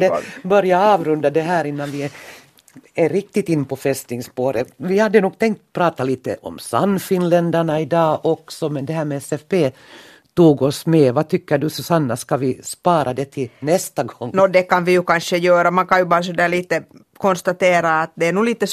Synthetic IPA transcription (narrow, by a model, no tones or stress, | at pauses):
d̪ɛbœɾjaɑːʋɾɵnd̪ad̪ɛɦæːɾɪnːanʋɪ | ɛɾɪk̚t̪ɪt̪ɪnːpʰɔfɛst̪nɪŋspoːɾəvɪhad̪ːənuːɡ̚t̪ʰɛŋkt̪̚pʰɾɑːt̪aliːt̪ə̰ʔɔ̰msa̰nːfɪnlɛnd̪æɳaɪd̪ɑːʔɔksɔmɛnd̪ɛɦhæːɾmɛɛsɛfbeː | t̪uːɡɔsmɛvɑt̪ʰʏkːəɖɵsɔsanːaskaʋɪspɑːɾʔad̪ɛt̪ʰɪnɛst̪aɡɔŋːnɔːd̪ɛkanʋɪjʉkanʂəjøːɾamankɑnjʉbɑːɾs̬ɔd̪æːɭiːt̪ə | kʰɔnst̪at̪eːɾaːt̪̚d̪ɛːnuːliːt̪əs